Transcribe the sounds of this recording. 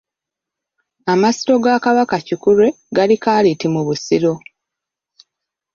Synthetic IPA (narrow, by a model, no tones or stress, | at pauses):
amasi̥to̞ɡakaβakacikuɾe̞ | ɡalikaːlitimuβusiɾo̞